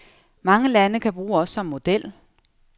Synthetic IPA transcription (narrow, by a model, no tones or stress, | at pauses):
mɑ̈ŋəlænəkʰæb̥ʁuːɒ̽sːɒ̽mːo̝d̥el̰